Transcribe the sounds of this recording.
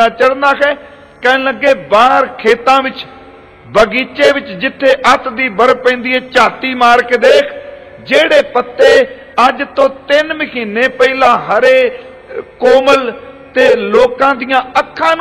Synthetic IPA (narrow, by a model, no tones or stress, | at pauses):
aːt͡ʃəɽnaːkʰɛː | kɛːnləɡːeːbaːɾkʰeːt̪ãːʋɪt͡ʃ | bəɡiːt͡ʃeːʋɪt͡ʃd͡ʒɪt̪ʰːeːʔət̪d̪iːbəɾpɛ̃ːnd̪iːɛːt͡ʃaːt̪iːmaːɾkd̪eːkʰ | d͡ʒeːɽeːpət̪ːeː | əd͡ʒt̪õːt̪ɪnmɪkiːnːeːpəiːlãːɦəɾeː | koːməlt̪eːloːkãːd̪ijãːəkʰːãːn